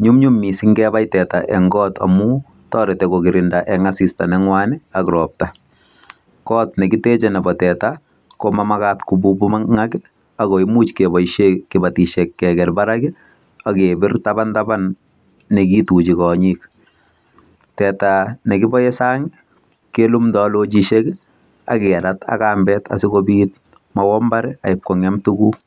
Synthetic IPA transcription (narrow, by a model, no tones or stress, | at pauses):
ɲumɲumːisɪŋɡɛbajtɛtaʔɛŋɡɔta̰mu | tɔːɾɛtɛkoɡɪɾɪndaʔɛŋasistanɛŋwanɪakɾɔːp̚ta | kɔtnɛkɪtɛt͡ʃɛnɛbɔtɛta | komamakatkububumaŋakɪ | akɔimut͡ʃkebɔjʃekːɪbatiʃɛkːɛɡɛlbaɾaɡɪ | akebɪrtabantabanː | ɛkitut͡ʃikɔɲik | tɛtanɛkɪbɔjɛsaːŋ | kelumdɔlot͡ʃiʃek | a̰kɛaɾatʰa̰kaːmbɛtʰa̰sɪkobiːt̚ | mawɔmbaɾɛaɪp̚kɔŋɛmtuku